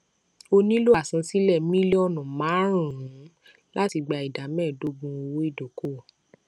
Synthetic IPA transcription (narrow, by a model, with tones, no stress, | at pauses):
o˧nĩ˦lo˦a˦˨sã˧si˦lɛ˦˨mĩ˦le˦ɔ˦˨nɔ̃˨mãː˨˦ɾ̃ũ˨ɾũ˨˦ | la˦ti˧ɡ͡ba˧˨i˨da˨˦mɛ̃ː˦˨do˨˦ɡ͡bũ˧o˧wo˦i˦˨do˨ko˦˨